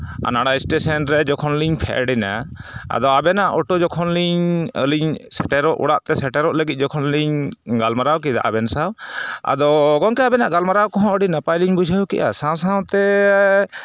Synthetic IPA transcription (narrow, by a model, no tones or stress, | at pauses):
a̰naɽajsʈesɛnɾɛd͡ʒɔkʰɔnliɲpʰɛ̰ʔɖina̰a̰d̪ɔabɛnaʔɔʈɔd͡ʒɔkʰɔnliɲə̰liɲsɛʈɛɾɔʔṵɽaʔt̪ɛsɛʈɛɾɔʔləɡit̪̚ˀd͡ʒɔkʰɔnliɲɡalmaɾawkid̪a̰ʔabɛnsawa̰d̪ɔɡɔŋkɛabɛnaʔɡalmaɾawkɔɦɔ̃əɖinapajliɲbud͡ʒʱəkḭʔa̰saw̃saw̃t̪ɛ